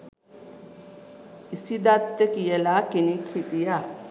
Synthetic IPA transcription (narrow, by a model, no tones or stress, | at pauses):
isid̪at̪ːekijelaːkenikʰɾit̪ija